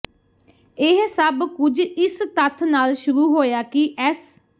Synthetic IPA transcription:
ɪɦsəbkʊd͡ʒɪst̪ət̪ʰnaːlʃʊɾuːɦoːjaːkɪʔɛːs

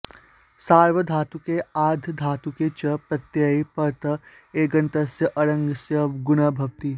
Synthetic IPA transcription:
saːɾʋəd̪ʱaːt̪ukeaːd̪ʱd̪ʱaːt̪uket͡ʃɐpɾɐt̪jaːipɐɾt̪ɐ | eːɡɐnt̪ɐsjɐʔɐɾɐ̃ŋɡsjɐɡʊnabʱɐʋt̪i

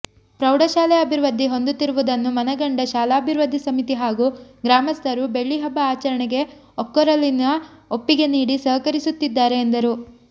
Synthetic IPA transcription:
pɾɐwɽɐʃaːlɛɐbʱiɾʋɐd̪ːiɦo̞nd̪ut̪ːiɾuʋud̪ɐnːumɐnɐɡɐɳɖɐʃaːlaːɐbʱiɾʋɐd̪ʱːisɐmit̪iɦaːɡuɡɾaːmɐst̪ʰɐɾube̞ɭːiɦɐbːɐaːt͡ʃɐɾɐɳɛɡe̞ | okːɐɾɐlːinɐopːiɡe̞niːɽisɐɦɐkɐɾisut̪ːid̪ːaːɾe̞ːnd̪ɐɾu

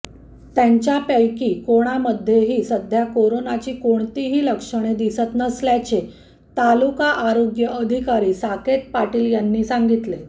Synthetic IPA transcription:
t̪jaɲt͡ɕjapjəjkiːkoɽ̃aməd̪ʱːjeɦiːsəd̪ʱjakoɾonat͡ɕiːkoɳt̪iɦiːləkʂəɽ̃ed̪isət̪nəsljat͡ɕe | t̪alukaʔaɾoɡjəʔəd̪ʱikaɾiːsaket̪̚paʈiːljanːiːsaŋɡit̪le

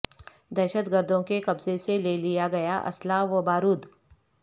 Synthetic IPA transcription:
d̪ɐːʃət̪ɡəɾd̪ʱõkekɐbzeselelijaɡɐjaʔɐ̰slaʋəbaːɾuːd̪

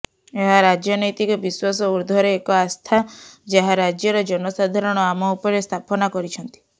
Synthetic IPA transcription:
eɦaɾad͡ʒjɔnɔjt̪ikɔbiswasɔuɾd̪ʱɔɾeːkɔast̪ʰad͡ʒaɦaɾad͡ʒjɔɾɔd͡ʒɔnɔsad̪ʱaɾɔɽ̃ɔamɔupɔɾest̪ʰapɔnakɔɾit͡ʃʰɔnt̪i̥

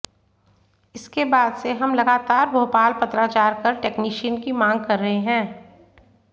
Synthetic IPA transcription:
ɪskebaːd̪seɦɐmlɐɡaːt̪aːɾbʱoːpaːlpɐt̪ɾat͡ʃaːɾkəɾʈeːkniːʃənkimãːŋɡ̚kɐɾːɐɦeɦɛ̃ː

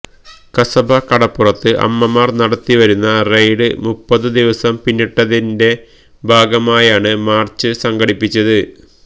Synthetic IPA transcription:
kɐsɐbʱɐkɐɽɐpːurɐt̪ːɨʔɐ̰mːɐmaːrnɐɽɐt̪ːiʋɐɾunːɐrejɽɨ̰mupːɐðɨd̪iʋɐsɐmpinːiʈːɐðinde̞ | bʱaːɡɐmaːjaːɳɨmaːrt͡ɕːɨsɐŋɡɐɽipːit͡ɕːɐðɨ

